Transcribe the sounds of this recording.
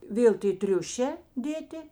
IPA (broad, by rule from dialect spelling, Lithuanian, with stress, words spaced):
ˈʋʲeːlˠ tʲeː ˈtʲrʲʊʃʲɛː ˈdʲeːtʲɪ